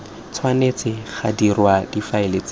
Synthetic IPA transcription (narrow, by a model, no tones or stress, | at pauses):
t͡sʰwanet͡sɪχadirwad̥ifaɪlet͡s